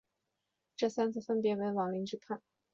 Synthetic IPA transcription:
ʈ͡ʂɤ˥˩sa˥nt͡sʰɹ̩˥˩fə˥npjɛ˧˥we˧˥nwɑ˨˩ŋli˧˥ŋʈ͡ʂɻ̩˥kʰa˥˩n

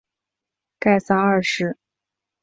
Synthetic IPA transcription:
ka˥˩ɪsa˥nɐ˞˥˧ʂɻ̩˥˩

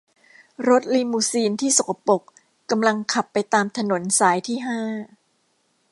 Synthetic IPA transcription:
ɾo˦˥t̪̚liː˧muː˧˩siː˧nt̪ʰiː˥˩so˨˩˦kʰa˧po˨˩k | kːa˧mla˧ŋkʰa˨˩pːa˧jt̪aː˧mt̪ʰa˧no˩˦nsaː˩˦jt̪ʰiː˥˩ɦaː˥˩

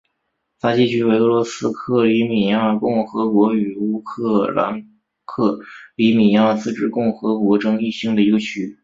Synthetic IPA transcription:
t̪ʰa˥t͡ɕi˥˩t͡ɕʰy˥we˧˥ɪɤ˧˥lwɔ˧˥sɹ̩˥kʰɤ˥˩li˧˥mi˨˩ja˥˩kʊ˥˩ŋxɤ˧˥kwɔ˧˥y˨˩u˥kʰɤ˥˩la̰˧˥n | kʰɤ˥˩li˧˥mi˨˩ja˥˩t͡sɹ̩˥˧ʈ͡ʂɻ̩˥˧kʊ˥˩ŋxɤ˧˥kwɔ˧˥ʈ͡ʂʊ˥ŋi˥˩ɕi˥ŋd̪ə˨˩i˧˥ɡə˥˧t͡ɕʰy˥˩

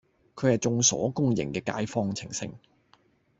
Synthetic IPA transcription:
kʰɵ˨˧hɐ˨jt͡sʊ˨˧ŋsɔ̰ː˨˥kʊ˥ŋjɪ̰˨˩ŋkɛː˧ka̰ː˧˥jfɔː˥ŋt͡sʰɪ˨˩ŋsɪ̰˧ŋ

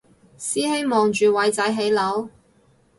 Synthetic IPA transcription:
siː˥he˥jmɔː˨ŋt͡ʃyː˨wɐ˨˥jt͡sɐ˨˥jɦe˨˧˥jlɐ˨˥w

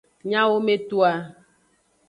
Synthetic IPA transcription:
ɲã˦wo˦me˦t̪u˦a˨

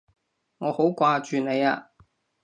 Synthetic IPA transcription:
ŋɔː˨˧ho˨˥wkʷaː˧t͡ʃyː˨ne˨˧ja̰ː˧

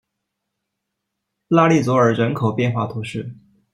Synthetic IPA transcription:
la˥˧li˥˩t͡swɔ˧˥ə˞˨˩ɻə˧˥nkʰo˨˩ʊpjɛ˥˧nxwa˥˩t̪ʰu˧˥ʂɻ̩˥˩

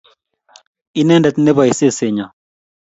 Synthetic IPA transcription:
i˦nɛ˦ndɐ˨t̪ne˦ba˨ise˦se˨ɲa˨

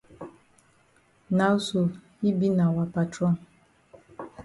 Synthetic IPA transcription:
na˨˦so˨ | i˦bi˦na˨wa˨pa˨tɾɔ˦˨n˨

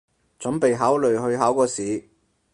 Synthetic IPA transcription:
t͡sɵ˨˥npe˨jɦaː˨˥wlɵ˨˩ɥhɵ˧ɥɦaː˨˥wkɔː˧siː˨˥

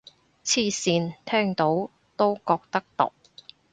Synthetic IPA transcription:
t͡sʰiː˧siː˧nt̪ʰɛː˥ŋt̪o˨˥w | t̪o˥wkɔː˧k̚t̪ɐ˥k̚t̪o̰˨k̚

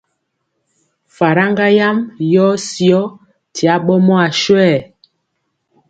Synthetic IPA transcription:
fa˨ɾa˦ŋɡa˦ja˦mjɔ˦si˦ɔ˦ | tʰi˨a˨˦ɓɔ˦mɔ˦a˨ʃwɛ˦˨

